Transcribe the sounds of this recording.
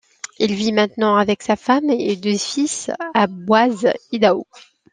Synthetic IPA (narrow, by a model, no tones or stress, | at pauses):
ilvimɛ̃t̪nɑ̃avɛksafamed̪øfisabwazid̪ao